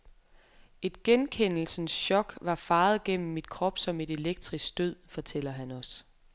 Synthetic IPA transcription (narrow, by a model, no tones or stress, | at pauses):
e̝d̥̚ɡ̥enkʰen̰l̩sn̩sɕɒ̽ɡ̥ʋɑ̈fɑ̈ːð̞̩ˠɡ̥en̰m̩ːid̥kʰʁɒ̽b̥sɒ̽me̝d̥e̝leɡ̥̚d̥ʁisɡ̥̚d̥øð̰ˠfɒ̽t͡sʰel̰ɐɦænɒ̽s